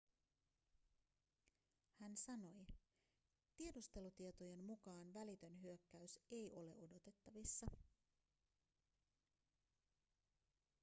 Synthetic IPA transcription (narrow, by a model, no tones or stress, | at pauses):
hænsɑno̞j | t̪ie̞dust̪e̞lut̪ie̞t̪oje̞nːukɑːnʋælit̪ø̞nɦyøkːæyse̞jʔo̞le̞̰ʔo̞do̞t̪e̞t̪ːɑʋisːɑ